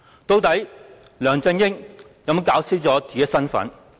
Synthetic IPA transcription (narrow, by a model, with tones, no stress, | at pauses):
t̪o˧wt̪ɐ˨˥j | lœː˨˩ŋt͡sɐ˧ŋjɪ˥ŋ | jɐ˨˥m˥kaː˨˥wt͡sʰiː˥t͡sɔː˨˥t͡si˨ke˨˥sɐ˥nfɐ̰˨˥n